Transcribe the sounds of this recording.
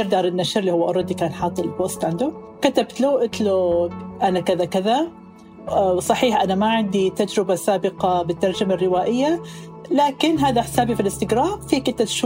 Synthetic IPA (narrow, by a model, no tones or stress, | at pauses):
ɾd̪ɑːɾˤɪnːaʃɪɾliːhʊwːaʔɑɾˤɑd̪ːikaːnħɑːt̪ˤːɨlbost̪ʕɪnd̪ʊ | kat̪abt̪luʔɪt̪luʔanakɪðakɪða | sˤɑħiːħʔanamaʕɪnd̪it̪ad͡ʒɾɪbasaːbɪqɑbɪt̪ːɑɾˤd͡ʒamarːɪwaːʔɪjːa | laːkɪnɦaːðaħɪ̥saːbifilɪst̪ɪɡɾaːmfiːkɪnt̪ːat̪ʃu